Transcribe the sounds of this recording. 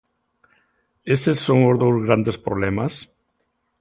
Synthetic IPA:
esesːoŋʊzðowzɣɾand̪espɾoβlɛmas

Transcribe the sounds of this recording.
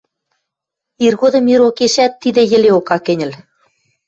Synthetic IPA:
irɣod̪ɤ̆miɾokeʃæt̪ːid̪ɘ̆jɘ̆leokɑkɘ̆nʲɘ̆l

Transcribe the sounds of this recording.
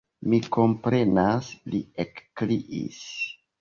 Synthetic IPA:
miko̞mpɾe̞nasliekːliʔḭs

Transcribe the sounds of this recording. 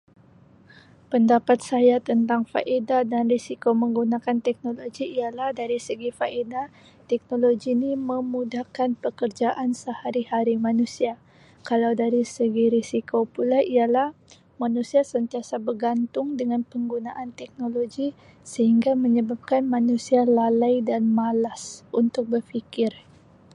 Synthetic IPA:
pəndapat̪̚sajat̪ənt̪aŋfa̰ʔedadanrisikoməŋɡunakant̪ɛk̚noloɡiːjalahdaɾisəɡifaʔeda | t̪ɛk̚noloɡiniməmudahkanpəkərd͡ʒaʔansəhaɾihaɾimanusia | kalawdaɾisəɡiɾisikopulaʔijalah | manusiasənt̪iasabərɡant̪ʊŋdəŋanpəŋɡunaʔant̪ɛk̚noloɡi | səhiŋɡaməɲəbap̚kanmanusialalajdanmalasunt̪ʊk̚bərfikɪr

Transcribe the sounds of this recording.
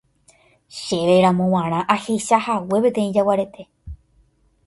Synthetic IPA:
ʃe̞ʋeɾãmõw̃ãɾ̃ãʔahejʃahawe̞pe̞t̪ẽĩd͡ʒawaɾe̞t̪ʰe̞

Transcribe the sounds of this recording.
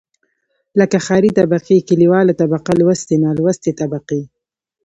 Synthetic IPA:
ləkaxɑɾit̪abaqekɪliwɑlat̪abaqalwast̪enalwast̪et̪abaqi

